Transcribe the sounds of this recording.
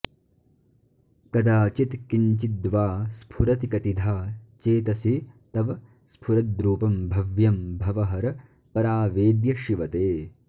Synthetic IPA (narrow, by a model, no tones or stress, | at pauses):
kɐd̪aːt͡ʃit̪kiɲt͡ʃid̪ʋaːspʰuɾɐt̪ikɐt̪id̪ʱaːt͡ʃeːt̪ɐsit̪ɐʋɐ | spʰuɾɐd̪̚ɾuːpɐmbʱɐʋjɐmbʱɐʋɐɦɐɾɐ | pɐɾaːʋeːd̪jɐʃiʋɐt̪eː